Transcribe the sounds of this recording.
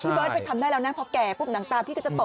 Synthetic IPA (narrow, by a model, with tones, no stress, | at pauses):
t̪ʰiː˧˩bəː˦˥t̪̚pa˧jt̪ʰa˧mdaː˥˩lɛː˦˥wnaː˧˦˥pʰɔ˦˥kɛː˨˩puː˦˥˩p̚na˩˦ŋt̪aː˧mtʰiː˥kʰːt͡ɕa˨˩t̪o˨˩